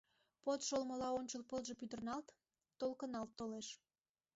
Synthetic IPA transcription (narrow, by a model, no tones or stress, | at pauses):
pot̪ʃolməlɑonʲt͡ɕəlpəlʒəpyd̪ərnɑlt̪ː | olkənɑlt̪ːoleʃ